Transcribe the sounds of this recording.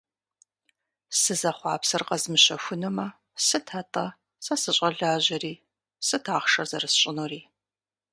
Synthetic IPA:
sɨzɐχʷɑ̰ːpsɐrqɐzmɨɕɐxʷʊnɨmɐ | sɨtʰatʼɐ | sɐsɨɕʷʼɐɮaːʑɐriː | sɨtʰaːχʃɐrzɐrɨsɕʼɪnuriː

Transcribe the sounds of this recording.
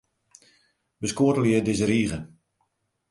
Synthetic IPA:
bəskoətəljədɪzəɾiːɣə

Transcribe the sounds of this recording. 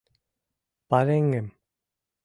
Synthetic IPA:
paɾeŋem

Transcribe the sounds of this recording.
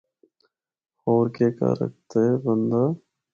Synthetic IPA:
hoːɾkeːka̰ːɾə̰k̚t̪ebənd̪aː

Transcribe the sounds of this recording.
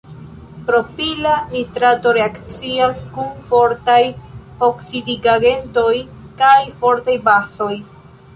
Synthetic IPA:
pɾo̞pilanitɾato̞ɾe̞akt͡siaskunfo̞ɾtajoksidiɡaɡe̞nto̞j | kajfo̞ɾtajbaso̞j

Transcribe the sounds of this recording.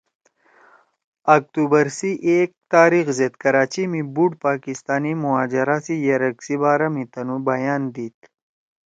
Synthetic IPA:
ɐk̚t̪uːbɐɾsiʔeːk̚t̪aːɾiːxzet̪kɐɾaːt͡ɕimibuʈpaːkɪst̪aːnimʊɦaːd͡ʒɐɾasijɐɾɐksibaːɾamĩt̪ɐnubɐjaːnd̪iːt̪

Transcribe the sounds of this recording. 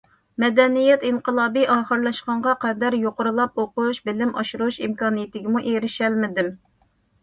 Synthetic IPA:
mɛd̪ɛnijɛt̪inqəlˠɑːbiʔɑːχəɾlˠɑʃqɑɴʁɑqɛd̪æɾjoqʊɾulˠɑp̚oquʃbɪlɪmʔɑ̰ʃuɾuʃimkɑːnijɪt̪ɪɡʲɪmuʔeɾɪʃɛlmɪd̪ɪm

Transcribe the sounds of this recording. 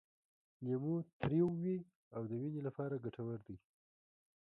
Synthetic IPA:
namut̪ɾewwi | awd̪əwinelapɑɾaɡaʈʰawəɾd̪i

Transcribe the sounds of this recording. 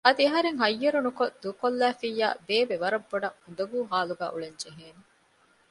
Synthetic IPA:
ɐd̪ieɦɐɾeŋɦɐjːɐɾunukod̪ukolːæːfijːa̰ːbeːbeʋɐɾɐbːoɖɐhund̪ɐɡuːɦaːluɡæ̰ːʔuɭeɲd͡ʒeɦeːne

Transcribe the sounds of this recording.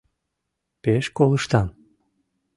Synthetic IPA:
peʃkoləʃt̪ɑm

